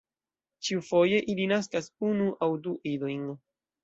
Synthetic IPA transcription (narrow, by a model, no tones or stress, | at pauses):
t͡ʃiufo̞je̞ʔilinas̬kasunuʔawduʔidojn